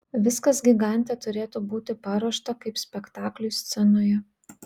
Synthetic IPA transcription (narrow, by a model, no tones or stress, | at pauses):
ʋʲɪskɐsɡʲiɡɑˑnʲt̪ʲet̪ʊɾʲeːt̪uːbuːt̪ʲɪpɑːɾoɔʃt̪ɐkɐɪpsʲpʲɛkt̪ɑːklʲʊsʲt̪sʲɛnoːjɛ